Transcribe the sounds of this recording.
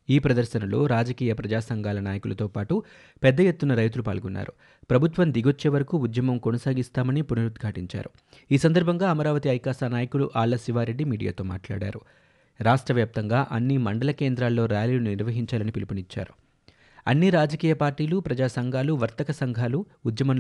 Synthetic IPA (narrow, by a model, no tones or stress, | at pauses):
iːpɾɐd̪ɐɾʃɐnɐlo̰ːɾaːd͡ʒɐkiːjɐpɾɐd͡ʒaːsɐŋɡʱaːlɐnaːjɐkulɐt̪o̞ːpaːʈu | pɛd̪ːɐje̞t̪ːunɐɾɐjt̪ulupa̰ːɭɡunːa̰ːɾu | pɾɐbʱut̪ʋɐmd̪iɡo̞t͡ʃːeːʋɐɾɐkuud̪jɐmɐmkonɐsaːɡist̪aːmɐnipunɐɾud̪ɡʱaːʈiɲt͡ʃa̰ːɾu | iːsɐnd̪ɐɾbʱɐŋɡaːɐmɐɾaːʋɐt̪iɐjkaːʃaːnaːjɐkuɽuʔaːɭːɐsiʋaːɾe̞ɖːimiːɽija̰ːt̪o̞ːma̰ːʈla̰ːɽa̰ːɾu | ɾaːʂʈɾɐʋjaːp̚t̪ɐŋɡaːʔɐnːimɐɳɖɐlɐke̞ːnd̪ɾaːlːo̞ːɾjaːliːlunniɾʋɐɦiɲt͡ʃaːlɐnipilipunit͡ʃːa̰ːɾu | ɐ̰nːiɾaːd͡ʒɐkiːjɐpaːɾʈiːlupɾɐd͡ʒaːsɐŋɡʱaːluʋɐɾt̪ɐkɐsɐŋɡʱaːluː | d̪jɐmɐm